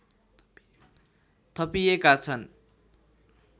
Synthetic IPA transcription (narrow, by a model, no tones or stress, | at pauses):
t̪ʰʌpijekat͡sʰʌn